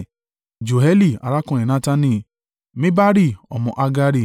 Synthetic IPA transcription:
d͡ʒo˨ɦɛ˦li˦˨a̰˨ɾa˦kũ˦˨ĩ˨nã˦ta˧nĩ˧˨ | mĩ˦ba˦ɾi˦˨ɔ̰˨mɔ̃˨ʔa˧ɡa˦ɾi˦˨

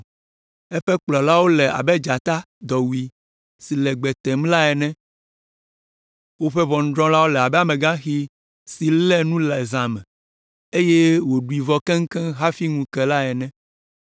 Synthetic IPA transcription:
ɛ˦ɸɛ˦k͡plɔ˨la˦wo˦lɛ˨a̰˨bɛ˦d͡ʒa˨t̪a˦ | d̪ɔ˨wu˨i˨ | si˨lɛ˨ɡ͡bɛ˨t̪ɛ˨mla˦ɛ˨nɛ̃˦ | wo˦ɸɛ˦βɔ˨ŋ̩̃˨˦d̪ɾɔ̃˦la˦wo˦lɛ˨a˨bɛ˦a˨mɛ̃˨ɡã˦xi˦ | si˨lɛ˦nũ˦lɛ˨zã˨mɛ̃˨ | e˦je˦wo˨ɖu˨i˨vɔ˦kɛ̃˦ŋ̩˦kɛ̃˦ɦa˦fi˦ŋũ˨kɛ˨la˦ɛ˨nɛ̃˦

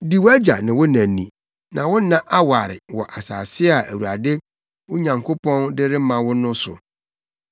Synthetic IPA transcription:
di˨wæ˦d͡ʑa˨nɪ̃˨wʊ˦næ̃˨nĩ˨ | nã̰˨wʊ˦nã˦ʔa˦wa˨ɾɪ̰˨wɔ˨ʔa˨saː˨sɪ˦a˨ʔæ˨wu˨ɾa˨dɪ˦ | wʊ˦ɲã˨ŋkʰo˦pʰɔ̃˦ndɪ˦ɾɪ˦mã˨wʊ˦nʊ̃˦sʊ̰˨

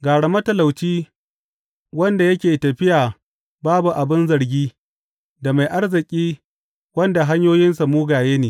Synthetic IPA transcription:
ɡaː˨ɽɐ˨mɐ˦tɐ˨la˨wt͡ʃiː˦ | wɐ˦nda˨jɐ˦kʲeː˨tɐ˨ɸɪ˦jaː˨ | baː˦bu˨ʔa˨bɪ˦nzɐ˨ɾɡʲiː˦ | da˨ma˨jʔa˦ɽzɪ˨kʲʼiː˦ | wɐ˦nda˨ɦa˦ɲjoː˦jɪ˦nsa˨muː˦ɡaː˨jeː˦neː˨

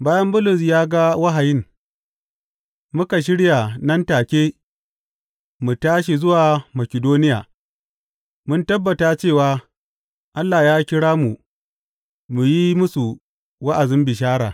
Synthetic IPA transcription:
baː˦jɐ˦mbʊ˦lʊ˨s̬jaː˦ɡa˦wa˦ɦa˨jɪ˦ŋ | mʊ˦ka˨ʃ̬ɪ˦ɽja˨nɐ˦ntaː˨kʲeː˦ | mu˨taː˦ʃi˨zʊ˦waː˨mɐ˨kʲɪ˨doː˦nɪ˦ja̰ː˨ | mʊ˦ntɐ˦bːɐ˨taː˦t͡ʃeː˦˨waː˦ | ʔa˦lːa˨jaː˦kʲɪ˦ɽaː˦mu˨ | mu˨ji˦mʊ˦su˨ | wa˦ʔa˨zɪ˦mbɪ˨ʃ̬aː˦ɽa̰ː˨

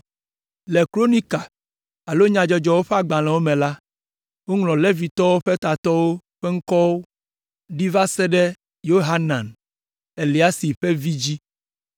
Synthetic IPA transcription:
le˨kɾo˦nĩ˦ka˨ | a˨lo˦ɲã˨d͡ʒɔ˦d͡ʒɔ˦wo˦ɸɛ˦a˨ɡ͡bã˨lɛ̃˨wo˦mɛ̃˨la˦ | wo˦ŋlɔ̃˨le˦vi˨t̪ɔ˦wo˦ɸɛ˦t̪a˨t̪ɔ˦wo˦ɸɛ˦ŋ̩˦kɔ˦wo˦ | ɖi˦va˦sɛ˦ɖɛ˦ | jo˦ɦa˦nã˨n | e˨li˨a˦si˨ɸe˦vi˦d͡ʑi˦

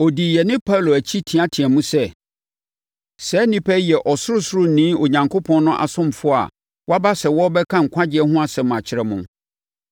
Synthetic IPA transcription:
ɔ˨di˨jɛ˨nɪ̃˦pʰa˦lo˨æ˨t͡ɕʰi˦tʰĩ˨a˦tʰɪ̃˨ɛ˨mũ˦sɛ˦˨ | sɛː˨˦nĩ˦pʰɛ˦jɛ˨ʔɔ˨sʊ˦ɾʊ˦sʊ˦ɾʊ˦n̩˨nĩ˦o˨ɲã˨ŋkʰo˦pʰɔ̃˦nnʊ̃˦ʔa̰˨sʊ̃˦m˨fʊ˦a̰˨ | wɔ˦a˦ba˦sɛ˨wɔ˦bɛ˦kʰã˦ŋ̩˨kʷʰa˦d͡ʑɪ˨˦ɛ˦ɦʊ̃˦a˦˨sɛ̃˨m˨a˨t͡ɕʰɪ˨ɾɛ˦mʊ̃˦

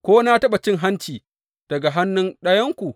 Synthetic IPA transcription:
kʷoː˦na˦tɐ˦ɓa˨t͡ʃɪ˦ŋɦa˦nt͡ʃiː˨ | d̥ɐ˨ɡa˨ɦa˦nːʊ˦nɗɐ˦jɐ˦ŋkʷu˨

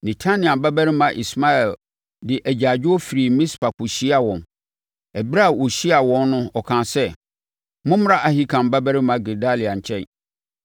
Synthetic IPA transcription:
nɛ̃˨tʰa˦nɪ̃˨ã˨ba˦bæ˦ɾɪ˦mã˨ʔḭ˨sma˦ɛ˨l | dɪ˨ʔæ˨d͡ʑa˨d͡ʑᶣɪ˦ɔ˦fi˨ɾi˨mĩ˦spa˨kʰʊ˨ɕi˦a˨wɔ̃˨n | ɛ˨bɾa˦˨wo˨ɕi˦a˨wɔ̃˦nːʊ̃˦ɔ˨kʰã˨sɛ˦ | mʊ̃˦m˦ɾa˦ʔa˨hi˦kʰã˨m˦ba˦bæ˦ɾɪ˦mã˦ɡe˨da˦li˨a˨ɲ˨t͡ɕʰɛ˦

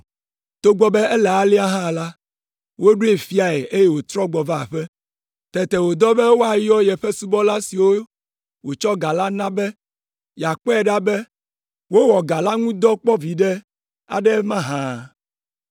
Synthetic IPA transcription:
t̪o˦ɡ͡bɔ˨bɛ˦ɛ˦lɛ˨a˦li˦a˦ɦã˦˨la˦ | wo˦ɖu˦e˨fi˦a˨ɛ˨ʔe˦je˦wo˨t̪ɾɔ˦ɡ͡bɔ˨va˨ɸɛ˦ | t̪ɛ˨t̪ɛ˨wo˨d̪ɔ˦bɛ˦wo˦a˨jɔ˦jɛ˨ɸɛ˦su˦bɔ˦la˦si˨wo˦ | wo˨t͡ʃɔ˦ɡa˨la˦nã˦bɛ˦ | ja˨k͡pɔ˦ɛ˨ɖa˦bɛ˦ | wo˦wɔ˨ɡa˨la˦ŋũ˦d̪ɔ˦k͡pɔ˦vi˨ɖɛ˦ | a̰˨ɖɛ˦mã˦ɦã˨

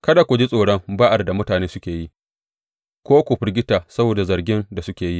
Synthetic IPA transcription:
kɐ˦da˨kʷu˨d͡ʒi˦sʼoː˨ɽɐ˦ŋbaː˦ʔa˨rda˨mʊ˦taː˨neː˦sʊ˦kʲeː˨ji˦ | kʷoː˦kʷʊ˨ɸɪ˦rɡʲɪ˦taː˨sɐ˦boː˨da˨zɐ˨rɡʲɪ˦nda˨sʊ˦kʲeː˨ji˦ʔ

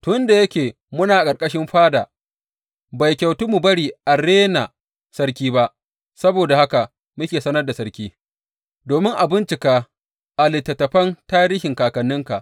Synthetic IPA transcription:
tʊ˦nda˨jɐ˦kʲeː˨ | mʊ˦naː˨ʔa˨kʼɐ˨rkʼɐ˦ʃɪ˦mɸaː˦daː˨ | ba˨jkʲɐ˨wtu˦mu˨bɐ˦ɽiː˨ʔa˨ɽeː˦na˨ | sɐ˦ɾkʲiː˦ba˦ʔ | sɐ˦boː˨da˨ha˦ka˨ | mʊ˦kʲeː˨sɐ˦nɐ˦rda˨sɐ˦ɾkʲiː˦ | doː˨mɪ˦ŋʔa˨bɪ˦nt͡ʃɪ˨kaː˦ | ʔa˨lɪ˨tːɐ˨tːɐ˨ɸɐ˦ntaː˦ɾiː˦hɪ˨ŋkaː˨kɐ˨nːɪ˦ŋka˨ʔ

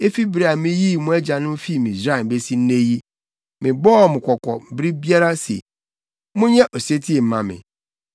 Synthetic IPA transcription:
e˦fi˦bɾi˨a˨mɪ̃˦ji˦˨mʊ̃˦ɛ˦d͡ʑa˨nʊ̃˦m̩˦fi˦˨mĩ˨zɾa˦˨m̩˨be˦si˦n̩˦nẽ˦ji˦ | mɪ̃˨bɔː˦˨mʊ̃˨kʷʰɔ˨kʷʰɔ̰˨m̩˨bɾi˦bi˦a˦ɾa˦sḛ˨ | mʊ̃˦ɲɛ̃˦ʔɔ˨se˦tʰi˦e˨m̩˨mã̰˨mɪ̰̃˨

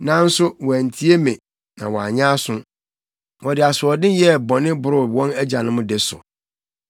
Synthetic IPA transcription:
nã˦n̩˦sʊ˦wɔ˨æ˨n̩˨tʰi˦e˦mẽ˨ | nã̰˨wɔ˨a̰˨ɲã˦sʊ̃˦ | wɔ˨dɪ˨a˨sʊ˨ɔ˨dɪ̃˦jɛ˦˨bɔ˨nɪ̃˦bʊ˨ɾʊ˦wɔ̃˦næ˦d͡ʑa˨nʊ̃˦mʊ̃˦dɪ˨sʊ̰˨

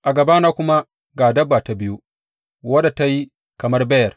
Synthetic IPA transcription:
ʔa˨ɡɐ˨ba˦naː˦kʷʊ˦ma˦ | ɡaː˨dɐ˦bːa˨ta˨bɪ˦ju˦ | wɐ˦da˨ta˦ji˦ | kɐ˨mɐ˦rbɛ˦jɐ˨

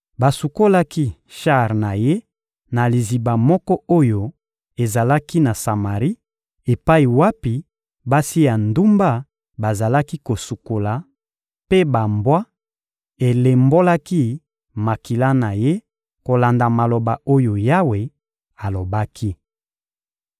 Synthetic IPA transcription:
ba˨su˨ko˦la˦ki˦ʃa˦˨ʁna˨je˦ | na˨li˨zi˨ba˨mɔ˦kɔ˦o˦jo˦ | e˨za˨la˦ki˦na˨sa˨ma˨ʁi˦ | e˨pa˦i˨wa˦pi˨ | ba˦si˦ja˨ndu˦mba˦ | ba˨za˨la˦ki˦ko˨su˨ko˨la˨ | pe˦ba˨mbwa˦ | e˨le˨mbo˦la˦ki˦ | ma˨ki˨la˦na˨je˦ | ko˨la˨nda˨ma˨lo˨ba˨o˦jo˨ja˦we˨ | a˨lo˨ba˦kʰi˦

